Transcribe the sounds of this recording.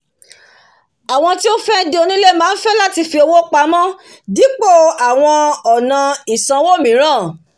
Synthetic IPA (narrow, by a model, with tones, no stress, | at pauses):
a˨w̃ɔ̃˧ti˦o˦fɛ˦do˦˧˦nĩ˦le˦mãː˦n̩˦fɛ˦la˦ti˧fi˧o˧wo˦k͡pa˧˦mɔ̃˦ | di˨˦k͡po˦˨a˨w̃ɔ̃˧ɔ˨nã˨˧i˨sã˨˧wo˦˨mĩ˨˦ɾ̃ã˦˨